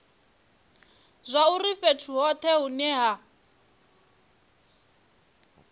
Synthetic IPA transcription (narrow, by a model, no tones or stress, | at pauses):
zʷaurifetʰuɦɔt̪ʰɛɦunɛɦa